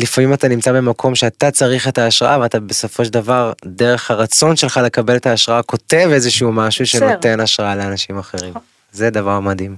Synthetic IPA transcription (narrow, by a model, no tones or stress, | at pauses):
lifamimatanimt͡sabe̞makʰo̞mʃeat̪at͡saʁiχetaːʃʁaʔaveat̪abe̞so̞fo̞ʃ̬edavaʁdeʁe̞χhaʁat͡so̞nʃe̞lχale̞kabe̞letaːʃʁaako̞te̞ve̞zeʃuumaʃuʃe̞nnote̞naʃʁaaleanaʃimaχe̞ʁim | zed̪avaʁmadhim